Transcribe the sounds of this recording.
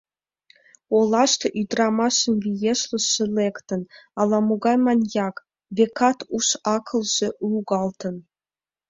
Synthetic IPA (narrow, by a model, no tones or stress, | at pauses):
olˠɑʃt̪ɤ̆ʔyd̪rɑmɑʃə̆nvʲijeʃlə̆ʃɘ̆lʲekt̪ə̆nɑlˠɑmuɡɑjmɑnʲjɑk | vʲekɑt̪uʃɑkʰɤ̆lʒ̥ĕʔuɡɑlˠt̪ɤ̆n